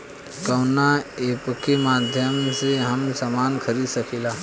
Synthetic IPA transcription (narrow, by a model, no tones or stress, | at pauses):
kəʊnaeːpkemaːd̪ʱjəmseɦəmsamaːnkʰəɾid̪səkilaː